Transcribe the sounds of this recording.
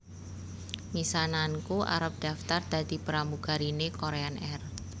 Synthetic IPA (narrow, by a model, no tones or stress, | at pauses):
misanankuʔa̰ɾəp̚d̪̥a̤ft̪ard̪̥a̤d̪̥i̤pəɾamuɡ̥a̤ɾinekoɾeanɛr